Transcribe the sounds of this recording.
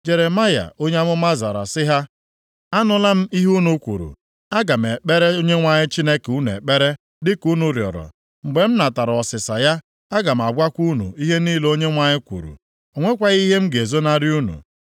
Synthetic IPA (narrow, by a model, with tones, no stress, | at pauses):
d͡ʒe˨ɾe˨ma˦ja̰˨ʔo˦ɲe˦a˦mʊ˦ma˦za˨ɾa̰˨sɪ˦ɦa˦ | a˦nʊ˨la˦m̩˦i˦ɦu˦nu˨kʷṵ˨ɾṵ˨ | a˦ɡa˨m̩˨e˨k͡pe˦ɾe˦o˦ɲe˦ŋʷa˨ɲɪ˦t͡ʃi˦ne˦ke˨u˦n˨ḛ˨k͡pe˦ɾe˦ | dɪ˦ku˦nu˨ɾjɔ̰˨ɾɔ̰˨ | ŋ͡m̩˨ɡ͡be˨m̩˦na˨ta˨ɾɔ˨sɪ˨sa˨ja˦ | a˦ɡa˨m̩˨a˨ɡ͡bʷa˦kʷu˦nṵ˨i˦ɦe˦niː˦lo˦ɲe˦ŋʷa˨ɲɪ˦kʷṵ˨ɾṵ˨ | o˨ŋʷe˦kʷa˦ɣi˦ɦe˦m̩˦ɡe˨zo˦na˦ɾɪ˦u˦nṵ˨